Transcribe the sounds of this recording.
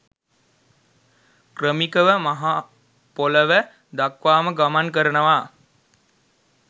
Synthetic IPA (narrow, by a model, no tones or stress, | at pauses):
krəmikəʋəmaɦa | poləʋə | d̪akʋaːməɡamankəɾənəʋa